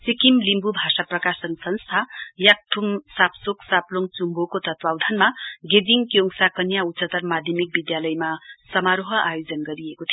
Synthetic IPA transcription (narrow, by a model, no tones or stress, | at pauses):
sikimlimbubʱasaprʌkasʌnsʌnst̪ʰajak̚ʈʰumsapsoksaploŋt͡sumbokot̪ʌt̪wawd̪ʱʌnmaɡed̪iŋkjoŋsakʌnjaut͡sːʌt̪ʌrmad̪ʱjʌmik̚bid̪jalʌjmasʌmaɾoɦʌʔajod͡zʌnɡʌɾiekot̪ʰio